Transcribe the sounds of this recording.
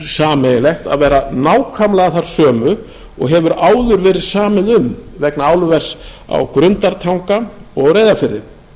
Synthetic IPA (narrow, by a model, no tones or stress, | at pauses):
saːmɛjlɛxt̪a̰ðvɛːɾanaːwkʰamlaɣaθaɾ̥sœːmʏ | ɔ̰ɣɦɛvʏɾaːwðʏɾvɛːɾɪðsaːmɪðʏmvɛknaaːwlʏvɛr̥sa̰wkɾʏnt̪aɾt̪ʰawŋkaɔɣreːjðafɪɾðɪ